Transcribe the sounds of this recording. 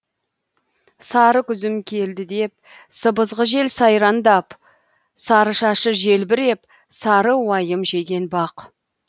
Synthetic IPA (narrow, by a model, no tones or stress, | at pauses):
sɑɾəkʲʰʏzɪmkʲʰe̞ld̪ɪd̪e̞p̚ | səbəzʁəʒe̞lsɑjɾɑnd̪ɑp | sɑɾəʃɑʃəʒe̞lbɪɾe̞p | sɑɾəwɑjəmʒe̞ɡʲe̞nbɑq